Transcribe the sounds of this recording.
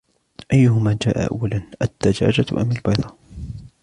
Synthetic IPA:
ʔajːʊhʊmaːd͡ʒaːʔa̰ʔa̰wːalanʔad̪̥ːad͡ʒa̰ːd͡ʒat̪ʔa̰malbɑjd̪ˤɑː

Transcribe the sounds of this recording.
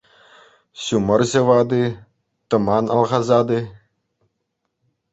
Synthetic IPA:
ɕumɤ̆rʑɤ̆ʋɑd̪ɯ | t̪ɤ̆mɑnɑlˠʁɑzɑd̪ɯ

